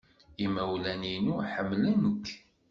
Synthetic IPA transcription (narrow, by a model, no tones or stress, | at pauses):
imæwlæninuħəmːlænəkː